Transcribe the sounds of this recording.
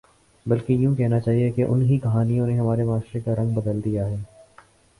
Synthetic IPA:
bɐlkejũːkɛɦnat͡ʃaːɦiekeʔʊ̰nɦikɐɦaːnijõneɦɐmaːɾemaːʃɾekaɾɐ̃ŋɡbɐd̪əld̪ijaɦɛː

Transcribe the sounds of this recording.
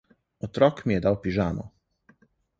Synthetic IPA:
ɔt̪ɾɔːkmijɛd̪awpiʒaːnɔ̰

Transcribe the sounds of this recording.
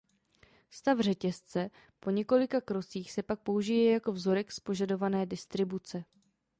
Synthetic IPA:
st̪avr̝ɛcɛst͡sɛ | po̞ɲɛko̞lɪkakɾo̞siːxsɛpak̚po̞uʒɪjɛjako̞vzo̞ɾɛkspo̞ʒado̞vanɛːdɪst̪ɾɪbut͡sɛ

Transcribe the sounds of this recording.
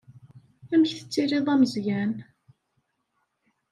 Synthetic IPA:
æməçθə̥t͡sːiɾiðˤæməzjæn

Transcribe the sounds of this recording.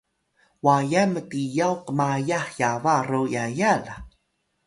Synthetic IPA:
wajamətijawqəmajaħjavaɾojajala

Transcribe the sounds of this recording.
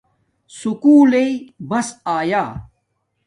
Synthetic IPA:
sukuːleibɐsaːjaː

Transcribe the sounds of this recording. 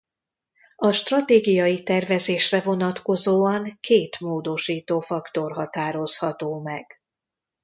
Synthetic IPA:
ɒʃt̪rɒt̪eːɡijɒjit̪ɛrvɛzeːʃrɛvo̞nɒt̪ko̞zoːɒŋkʰeːt̪moːd̪o̞ʃiːt̪oːfɒkt̪o̞rɦɒt̪aːɾo̞shɒt̪oːmɛɡ̥

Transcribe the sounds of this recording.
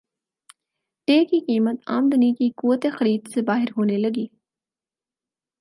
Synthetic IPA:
ʈeːkiqiːmət̪a̰ːmd̪ʊnikikuːət̪exɐɾiːd̪sebaːɦɪɾɦoːnelɐɡiː

